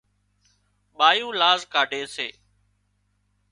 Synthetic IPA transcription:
ɓaːjũːlaːzkaːɖʱeːsḛː

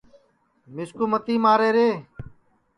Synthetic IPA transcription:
mɪskuːmət̪iːmaːɾeːɾeː

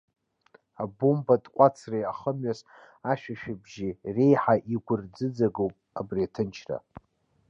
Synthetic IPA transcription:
abumbatʼqʷʼat͡sʰrejaχəmɥas | aʃᶣaʃᶣɪbʒirejħaʔiɡʷʊrd͡zɨd͡zaɡowpʼabriatʰɨnt͡ʃʰra̰

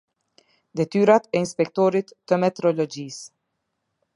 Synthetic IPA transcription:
d̪ɛt̪yːɾat̪ɛinspɛkt̪ɔɾit̪ːəmɛt̪ɾɔlɔd͡ʒiːs

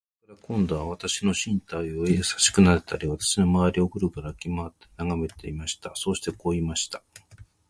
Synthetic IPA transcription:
koɾakõ̞nd̪o̞βaβat̪aɕino̞ɕĩnt̪aio̞esḁɕi̥kɯ̟naɾet̪aɾʲiβat̪ḁɕino̞maβaɾʲio̞kɯ̟ɾɯ̟kaɾakʲimaːt̪ːe̞̥naɡame̞t̪e̞̰imaɕi̥t̪aso̞ːɕi̥t̪e̞ko̞ːimaɕi̥t̪ḁ

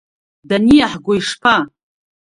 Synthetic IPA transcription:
danijaħɡʷoiʂpʰa

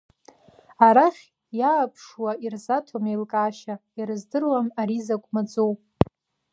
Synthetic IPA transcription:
aɾaχʲ | jaːpʰʂwairzatʰomejlkʼaːʃaiɾɨzdɨrwamaɾizakʷʼmad͡zowpʼ

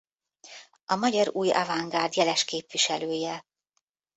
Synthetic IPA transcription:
ɒmɒɟɒɾuːjɒ̰vaŋɡaːrd̪jɛlɛʃkeːpʋiʃɛløːjɛ

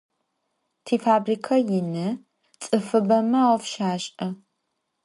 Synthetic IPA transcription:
tʰiːfaːbriːkʰɐjɪnɨ | t͡sʼɨfɨbɐmɐwfʃaːɕʼɐ

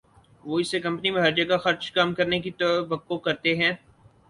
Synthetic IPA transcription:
ʋoːɪsekɐ̃mpnimẽɦɐɾd͡ʒɐɡaxɐɾt͡ʃkɐmkɐɾnekit̪ɐbɐkːokɐɾt̪eɦɛ̃ː

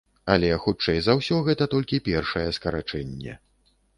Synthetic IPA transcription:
ɐlʲɛxut͡ʂɛjzawsʲɔɣɛt̪ɐt̪ɔlʲkʲipʲɛrʂɐjɛskɐɾat͡ʂɛnʲːɛ̰

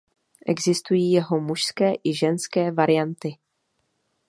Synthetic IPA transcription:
ʔɛ̰ɡzɪst̪ujiːjɛɦomuʃskɛːʔɪʒɛnskɛːvaɾɪjant̪ɪ

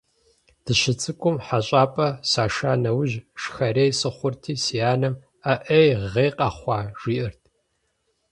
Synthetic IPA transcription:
d̥ɨɕɪt͡sʼɨkʷʰʼʊmħaɕʼaːpʼɐsaːʃaːnɐwʑʃxɐrejsɨχʷʊrtʰiːsijaːnɐm | aʔejʁeːqʼɐχʷɑːʒ̥ʷiːʔɨrtʰ

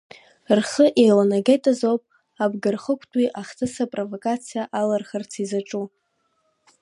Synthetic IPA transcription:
rχəʔelanaɡejtʼazowpʼ | abɡɨrχəkʷʰtʰʼwiʔaχtʰɨsapʼrovokʼat͡sʰijaʔalarχərt͡sʰizaʈ͡ʂʼu

